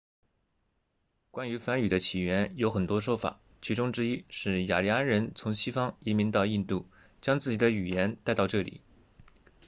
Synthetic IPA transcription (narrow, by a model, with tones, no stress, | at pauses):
kwa˥ny˧˥fa˧˥ny˨˩d̪ə˦t͡ɕʰi˨˩ɥɛ˧˥njo˧˥ʊxə˨˩nt̪wɔ˥ʂwɔ˥ʊfa̰˨˩˦ | t͡ɕʰi˧˥ʈ͡ʂʊ˥ŋʈ͡ʂɻ̩˥i˥ʂɻ̩˥˩ja̰˨˩li˨˧˥a˥nɻə˧˥nt͡sʰʊ˧˥ŋɕi˥fɑ˥ŋi˧˥mi˧˥ŋt̪ɑ˥˧ʊi˥˧nt̪u˥˩ | t͡ɕjɑ˥ŋt͡sɹ̩˥˩t͡ɕi˨˩d̪ə˦y˨˩jɛ˧˥nt̪a˥˧ɪt̪ɑ˥˧ʊʈ͡ʂɤ˥˩lḭ˨˩˦